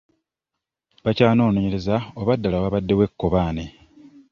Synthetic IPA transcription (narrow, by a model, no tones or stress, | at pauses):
βacaːno̞ːno̞ɲe̞ɾe̞zaoβadːalawaβadːe̞we̞kːo̞βaːne̞